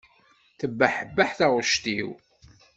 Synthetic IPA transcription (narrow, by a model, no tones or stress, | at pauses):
θəbːaħəbːaħθæʁʃt̪iw